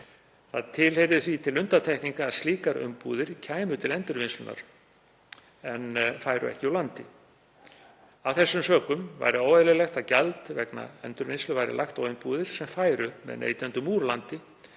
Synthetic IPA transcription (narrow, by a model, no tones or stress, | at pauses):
θa̰ðt̪ʰɪlhejɾðʏθvit̪ʰɪlʏnt̪at̪ʰɛjhkniŋkaːðst̪liːkaɾʏ̰mpuːðɪɾ̥cʰaːjmʏt̪ʰɪlɛnt̪ʏɾvɪnslʏna̰ɾ̥ | ɛnfajɾʏ̰ɛ̰hcɪɔlant̪ɪ | avθɛsːʏmsœːkʏmva̰jɾɪowɛlɛlɛxt̪aðcalt̪vɛkna̰ɛnt̪ʏɾvɪnslʏvajɾɪ̰laxt̪awʏmpuːðɪɾ̥sɛmfaːjɾʏmɛ̰ðnḛjt̪ɛnt̪ʏmuːɾlant̪ɪ